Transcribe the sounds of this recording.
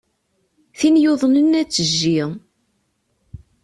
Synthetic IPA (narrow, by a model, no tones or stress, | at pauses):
θinjʊðˤnənːæt͡sːəʒːiʁ